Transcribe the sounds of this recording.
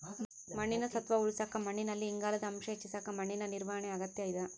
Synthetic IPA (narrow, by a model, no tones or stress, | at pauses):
mɐɳːinɐsɐt̪ʋɐuɭisaːkɐmɐɳːinɐlːiːŋɡaːlɐd̪ɐːmʃɐt͡ʃːisakɐmɐɳːinɐniɾʋɐɦɐɳeɐɡɐt̪jɐjid̪ɐ